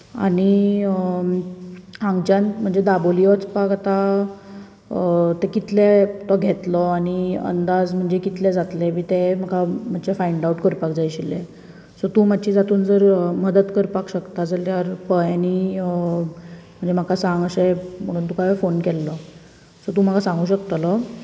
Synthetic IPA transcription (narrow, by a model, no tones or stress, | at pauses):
a̰ɽ̃i | ãŋɡt͡ɕãnt̪m̤əɳd͡zed̪aboliɔt͡spakat̪a | t̪ekit̪let̪ɔɡʱet̪lɔaɽ̃iə̰nd̪ad͡zm̤əɳd͡zekit̪lɛd͡zat̪lebiːt̪em̤akam̤at͡ɕefaiɳɖauʈkəɾpak̚d͡zajɕile | sɔt̪ũːm̤adt͡ɕid͡zat̪uːnd͡zəɾməd̪ət̪kəɾpakɕəkt̪ad͡zaljaɾpəjani | m̤əɳd͡zem̤akasãŋɡəsem̤əɽ̃uːnt̪ukaʋefonkɛlːɔ | sɔt̪ũm̤akasãŋɡuːɕəkt̪əlɔ